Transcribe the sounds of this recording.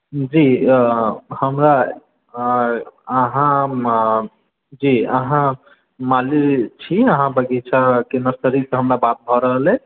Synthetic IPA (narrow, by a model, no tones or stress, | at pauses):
d͡ʒi | həmɾa | əɦã | d͡ʒiəɦã | maliɾt͡ʃʰiəɦãbəɡit͡ʃʰakenəɾsəɾit̪eɦəmɾabat̪̚bʱɔɾəɦəle